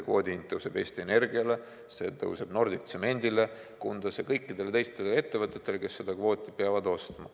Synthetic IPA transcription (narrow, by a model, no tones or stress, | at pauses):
ekvo̞̰ːd̪ʲiint̪ːɤwse̞b̥e̞ːst̪iene̞rɡiɑle̞ | se̞̰t̪ɤwse̞b̥no̞rd̪it̪se̞me̞nʲd̪ile̞ | kund̪ɑsekɤjkːid̪e̞leejst̪ele̞t̪ːe̞vɤt̪ːˑet̪ːˑe̞leke̞sːe̞d̪̥ɑkvo̞ːt̪ʲːˑipeɑvɑd̪o̞st̪mɑ